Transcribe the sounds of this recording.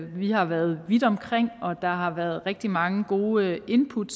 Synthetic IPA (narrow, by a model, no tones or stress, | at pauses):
ʋihɑ̈ʋæɐð̩ˠʋid̥ɒ̽mkʰʁeŋ̰ɒ̽d̥ɑ̈ɦɑ̈ʋæɐð̞ˠʁɛɡ̥̚d̥imɑ̈ŋəɡ̥o̝ːʔe̝npʰud̥